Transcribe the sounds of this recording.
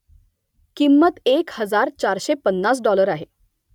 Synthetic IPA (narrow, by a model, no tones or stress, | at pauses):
kimːət̪ekhəd͡zaɾt͡ɕaɾɕepənːas̬ɖɔləɾaɦe